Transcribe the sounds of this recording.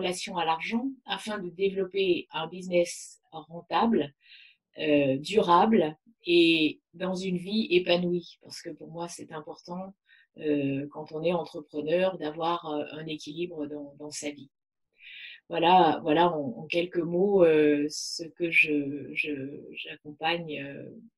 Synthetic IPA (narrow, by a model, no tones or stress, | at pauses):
əlasjɔ̃alaʁʒɑ̃afɛ̃d̪əd̪evlɔpeɛ̃biznɛs | ʁɑ̃t̪abl | ød̪yʁabl | e | d̪ɑ̃zynviepanwipaʁsə̥kəpuʁmwasɛt̪ɛ̃pɔʁt̪ɑ̃ | økɑ̃t̪ɔ̃nɛɑ̃t̪χəpχənœʁd̪avwaʁøɛ̃nekʲilibʁəd̪ɑ̃d̪ɑ̃savi | vwalavwalaɑ̃ɑ̃kʲɛlkəmoøsəkəʒəʒəʒakɔ̃paɲø̰